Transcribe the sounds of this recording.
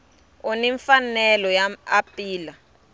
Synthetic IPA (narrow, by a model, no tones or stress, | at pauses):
ɔniɱfanɛlɔjaapiːla